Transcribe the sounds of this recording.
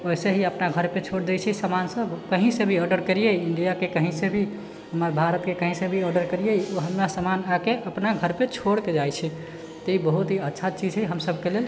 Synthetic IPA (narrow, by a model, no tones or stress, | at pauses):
oseɦiəpnaɡʱəɾpet͡ʃʰoɽd̪et͡ʃʰɛsəmansəbkəɦĩsẽbʱiəɾɖəɾkəɾijejiɳɖijakekəɦĩsebʱi | ɦəməɾbʱaɾət̪kekəɦĩsẽbʱiəɾɖəɾkəɾijejoɦəmɾasəmanakeʔəpnaɡʱəɾpet͡ʃʰoɽked͡ʒajt͡ʃʰɛ | t̪ibəɦut̪ɦiətːʃʰat͡ʃid͡ʒɦəɦəmsəb̚ʱkelel